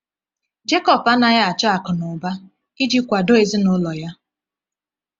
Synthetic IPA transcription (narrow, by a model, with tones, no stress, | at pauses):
d͡ʒe˦kɔ˨pa˦na˨ja˦a˨t͡ʃa˦a˨kʊ˨nʊ˨ba˦ | i˦d͡ʒi˦kʷa˨do˦e˨zi˦nʊ˦lɔ˨ja˦